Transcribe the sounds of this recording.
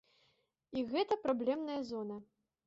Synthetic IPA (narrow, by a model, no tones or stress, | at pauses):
iɣɛt̪ɐpɾablʲɛmnɐjɐzɔnɐ